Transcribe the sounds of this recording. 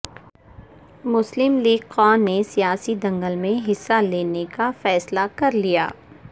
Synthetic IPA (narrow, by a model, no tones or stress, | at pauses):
mʊslɪmliːɡqɔːnːesijaːsid̪ɐ̃ŋɡəlmẽɦɪsːaleːnekafɛːslakɐɾlija̰ː